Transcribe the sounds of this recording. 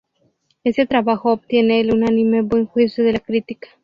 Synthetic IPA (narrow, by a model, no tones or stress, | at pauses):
e̞se̞t̪ɾaβaxoːp̚t̪je̞neːlunanĩme̞bwe̞ŋxwisjoðe̞lakɾit̪ikḁ